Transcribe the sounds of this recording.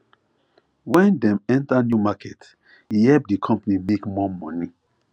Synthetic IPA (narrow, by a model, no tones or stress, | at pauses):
wɛ̃ndɛ̃mɛ̃ntanjumakɛt | ihɛlp̚dikʰɔ̃mpanimekmɔmɔni